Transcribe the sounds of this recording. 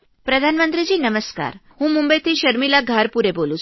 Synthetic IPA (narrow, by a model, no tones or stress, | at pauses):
pɾəd̪ʱanmənt̪ɾid͡ʑiːnəməska̰ɾɦũmũmbəjt̪ʰiʃəɾmilaɡʱaɾpuɾebolũt͡ʃ